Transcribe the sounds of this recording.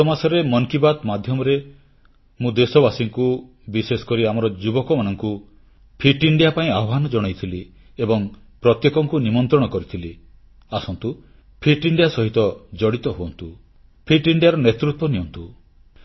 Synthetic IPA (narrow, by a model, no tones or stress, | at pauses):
sɔmasɔɾemɔŋkibat̪mad̪ʱjɔmɔɾe | mũd̪esɔbasiŋku | bisesɔ̥kɔɾiamɔɾɔd͡ʒubɔkɔmanɔŋku | pʰiʈiɳɖijapaĩaɔanɔd͡ʒɔɽ̃ɔjt̪ʰili | ebɔŋ | pɾɔt̪jekɔŋkunimɔnt̪ɾɔɽ̃ɔkɔɾit̪ʰili | asɔnt̪u | pʰiʈiɳɖijasɔɦit̪ɔd͡ʒɔɽit̪ɔɦuɔnt̪u | pʰiʈiɳɖijaɾɔnet̪ɾut̪wɔnijɔnt̪u